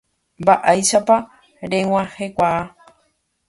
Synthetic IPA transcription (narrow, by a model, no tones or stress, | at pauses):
mbaʔajʃapa | ɾewãhekʷaː